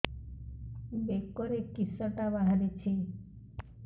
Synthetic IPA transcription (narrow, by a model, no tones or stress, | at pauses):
bekːɔɾekisɔt̪abaɦaɾet͡ʃʰe